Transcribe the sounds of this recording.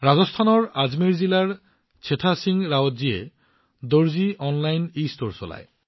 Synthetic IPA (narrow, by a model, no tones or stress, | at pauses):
ɾad͡ʑost̪ʰanoɾad͡ʑmeɾd͡ʑilaɾ | t͡ɕʰet̪ʰasiŋɾaot̪d͡ʑie | d̪oɾd͡ʑiʔɔnlajnistoɾsola̰e